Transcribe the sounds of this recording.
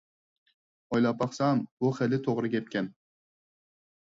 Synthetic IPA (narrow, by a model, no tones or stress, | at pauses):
ɔjlɑpɑχsambʊχelɪt̪ʰoʁɾɪɡʲkʲep̚kʲan